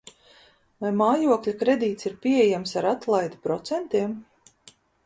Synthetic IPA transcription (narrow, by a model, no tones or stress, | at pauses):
vajmaːjuɔklʲakɾɛd̪iːt̪siɾpʲieɛjamsaɾat̪lˠajd̪ipɾɔt̪sɛnt̪iɛm